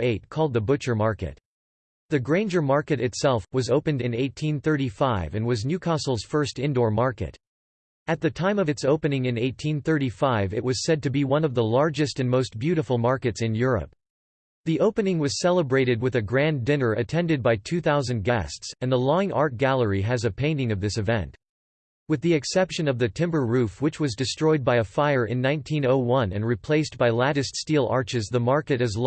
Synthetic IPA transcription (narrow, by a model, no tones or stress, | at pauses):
eɪt̚kʰɔlˠd̪̚ðəbʊt͡ʃə˞mɑɹkɨ̰t | ðɨɡɹẽɪ̃nd͡ʒə˞mɑɹkɨɾɨtsɛlˠfwʌzoʊpɨ̃ndɨ̃neɪtʰĩnθɜ˞ɾifaɪvɨ̃nwʌznjʉkʰɑsl̩ˠz̥fɜ˞stɪ̃ndɔɹmɑɹkɨ̰t | ɨt̪̚ðɨtʰãɪ̃mʌvɨtsoʊpɨnɪ̃ŋɨ̃neɪtʰĩnθɜ˞ɾifaɪvɨ̰ʔ̚wʌz̥sɛd̚tɨbiwʌ̃nʌvðəlɑɹd͡ʒɨstɨ̃nmoʊstb̥jʉɾəfl̩ˠmɑɹkɨtsɨ̃njʊɹɨ̰p̚ | ðiʔoʊpɨnɪ̃ŋwʌz̥sɛlˠəbɹeɪɾɨd̚wɨðɨɡɹæ̃ndɪ̃nə˞ʔɨtʰɛ̃ndɨd̚baɪtʰʉθaʊzɨ̃nɡæ̰stsɨ̃nðəlɔ̃ŋɑ̰ɹt̚ɡ̥ælˠə˞iɨzɨpʰẽɪ̃ntɪ̃ŋʌvðɪsɨvɛ̰̃nt | wɨðiɨksɛpʃɨ̃nʌvðɨtʰɪ̃mbə˞ɹʉfwɨt͡ʃwʌzdɨstɹ̥ɔɪd̚baɪɨfaɪə˞ʔɨ̰̃nːãɪ̃ntʰĩnoʊwʌ̃nɨ̰̃nɹipʰl̥eɪstb̥aɪlæɾɨststilˠɑ̰ɹt͡ʃɨzðəmɑɹkɨɾɨz